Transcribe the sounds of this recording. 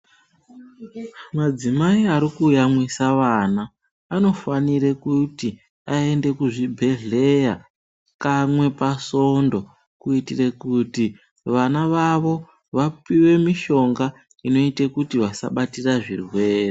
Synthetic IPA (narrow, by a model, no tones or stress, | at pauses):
mad͡zimaiaɾikuːjamwisaʋanaː | no̞faniɾekuti | ae̞nde̞kuʐibʱe̞ɮe̞ja | kamwe̞paso̞ndo̞ | kuitire̞kuti | ʋanaʋaʋo̞ | ʋapiwe̞miʃo̞ŋɡa | ino̞itekutiʋasa̰ɓatiraʐḭrwe̞ːre